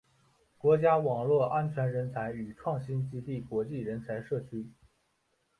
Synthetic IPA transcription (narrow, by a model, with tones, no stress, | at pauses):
kwɔ˧˥t͡ɕja˥wɑ˨˩ŋlwɔ˥˩ʔa˥nt͡ɕʰɥɛ˧˥nɻə˧˥nt͡sʰa˧˥ɪy˨˩ʈ͡ʂʰwɑ˥˩ŋɕi˥nt͡ɕi˥t̪i˥˩kwɔ˧˥t͡ɕi˥˩ɻə˧˥nt͡sʰa˧˥ɪʂɤ˥˩t͡ɕʰy˥